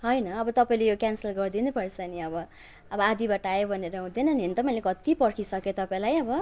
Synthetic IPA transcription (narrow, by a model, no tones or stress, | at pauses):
ɦʌjnʌːbʌt̪ʌpaĩlejokjansʌlɡʌrd̪inepʌrt͡sʰʌniʌbʌ | ʌbʌad̪ibaʈajebʱʌneɾʌɦũd̪enʌnent̪ʌpaʌ̃ĩlekʌt̪ipʌrkʰisʌket̪ʌpaĩlajʌbʌ